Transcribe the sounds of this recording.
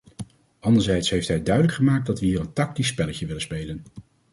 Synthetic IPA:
ɑndəɹzɛjtsɦejftɦɛjdœɥdələkχəmaːk̚dɑtʋəɦiːrəntɑk̚tisːpɛləcəʋɪlənspejlən

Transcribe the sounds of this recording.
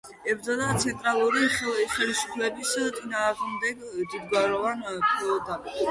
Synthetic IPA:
ɛbɾd̪zad̪at̪sʰɛnt̪ʼɾalˠuɾiχɛlisu̥pʰlɛbist̪ʼinaːʁmd̪ɛɡd̪id̪ɡaɾɔvanpʰʼd̪apʼi

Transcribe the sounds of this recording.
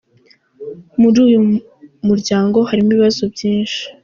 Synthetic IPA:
muɾuːju | muɾɟaːŋɡo̞haɾimuβiβazobɟiːnʃi̥

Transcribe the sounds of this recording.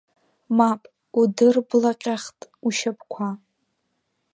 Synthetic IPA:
mapʼ | udɨrblaqʲʼaχtʼuʃapʰʼkʷʰa

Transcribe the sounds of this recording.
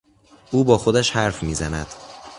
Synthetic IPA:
ʔuːbɒːxo̞d̪æʃhæɾfmiːzænæd̪̥

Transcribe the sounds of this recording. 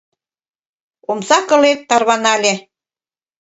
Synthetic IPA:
omsɑkɤ̆let̪ːɑrβɑnɑlʲe

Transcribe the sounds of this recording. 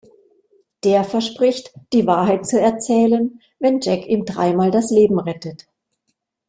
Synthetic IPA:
d̥eːɐfɛɐʃpʁ̥ɪçtd̥iːvaːɐɦaɪt̚t͡suɛɐt͡sɛːlən | vɛnd͡ʒɛkiːmdʁa̰ɪmaːldasleːbm̩ʁɛtət

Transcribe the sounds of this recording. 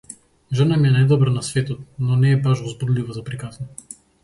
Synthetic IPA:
ʒənamiɛnajd̪ɔbɾanasvɛt̪ɔt̪̚nɔnɛːbaʃɔzbud̪livɔzapɾikasnɔ

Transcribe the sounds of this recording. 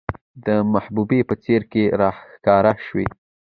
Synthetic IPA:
d̪əmahbubepət͡seɾkeɾɑhxkɑɾaʃwḛ

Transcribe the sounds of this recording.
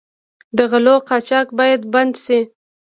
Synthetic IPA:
d̪əɣaloqɑt͡ʃɑkbɑjad̪band̪ʃi

